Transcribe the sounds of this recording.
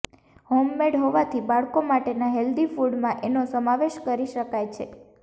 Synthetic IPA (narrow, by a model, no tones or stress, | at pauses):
homːeɖɦoʋat̪ʰibaɭkomaʈenaɦeld̪ifuɽmãʔenosəmaʋeʃkəɾiʃəkajt͡ʃʰe